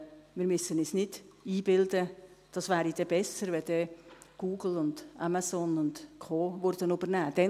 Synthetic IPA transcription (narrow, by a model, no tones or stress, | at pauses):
mɪːɾmʏsənisnɪd̥iːbɪld̪əd̥ɑsʋæːɾid̥ɛb̥ɛsəɾʋɛd̥̪ɛɡ̥uːɡ̥l̩ʊndamasɔnʊndkʰoːʋʊɾd̥ənubəɾnæːd̥ɛ